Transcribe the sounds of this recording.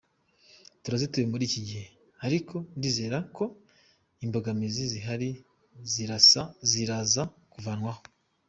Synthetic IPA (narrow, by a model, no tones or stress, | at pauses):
tuɾazitujemuɾiːciɟihe̞ | aɾikʰo̞ndiːze̞ːɾakʰo̞ | imboɡamiziziɦaɾi | ziɾasaziɾaza | kuvanŋwaho